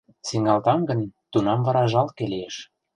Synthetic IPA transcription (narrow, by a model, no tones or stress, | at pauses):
siŋɑlt̪ɑŋɡə̆nt̪unɑmvɑɾɑʒɑlkeleeʃ